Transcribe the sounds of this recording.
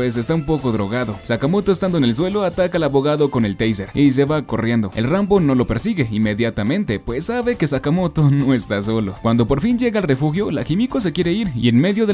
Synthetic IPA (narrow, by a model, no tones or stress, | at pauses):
pwes̬e̞st̪aumpo̞ko̞ðɾo̞̰ɣaðo̞sakamo̞t̪o̞est̪and̪oenels̬we̞lo̞at̪akalaβo̞ɣaðoko̞ne̞lt̪ejse̞ɾis̬e̞βako̞rje̞nd̪oelrambo̞no̞lo̞pe̞ɾsiɣe̞ime̞ðjat̪amẽ̞nt̪e̞pwe̞sːaβe̞kesakamo̞t̪o̞no̞est̪as̬o̞lo̰kwand̪o̞po̞ɾfinɟ͡ʝe̞ɣalre̞fuxjo̞la̰kimikos̬e̞kje̞ɾe̞iɾḭe̞nme̞ðjo̞ðe